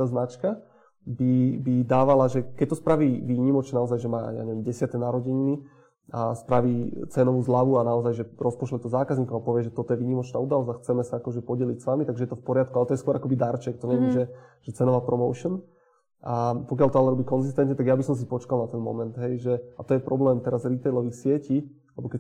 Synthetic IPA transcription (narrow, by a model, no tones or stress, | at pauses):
aːznat͡ʃka | bibid̪aːʋalaʒɛkɛc̚t̪ɔspɾaʋiːʋiːɲimɔt͡ʃnaɔzajʒɛma̰ːja̰ɲɛʋjɛmɟɛsɪat̪ɛnaɾɔɟiɲni | aspɾaʋiːt͡sɛnɔʋuːzlaʋuanaɔzajʒɛɾɔspɔʃlɛt̪ɔzaːkazɲiːkɔmapɔʋɪɛʒɛt̪ɔt̪ɔjɛʋiːɲimɔt͡ʃnaːuːd̪alɔzaxt͡sɛmɛsaakɔʒɛpɔɟɛlicsʋamit̪aɡʒɛjɛt̪ɔfpɔɾɪat̪̚kualɛt̪ɔjɛskwɔɾakɔbid̪aɾt͡ʃɛkt̪ɔɲɛʋɛmʒɛʒ̥ɛt͡sɛnɔʋaːpɾɔmɔʊʃn | ʔapɔk̬jalt̪ɔalɛɾɔbiːkɔnzist̪ɛnt̪ɲɛt̪aɡjabisɔms̬ipɔt͡ʃkalnat̪ɛnmɔ̰mɛnd̪ɦɛjʒɛat̪ɔjɛpɾɔblɛːmt̪ɛɾazɾit̪ɛjlɔʋiːxsɪɛciː | lɛbɔkɛ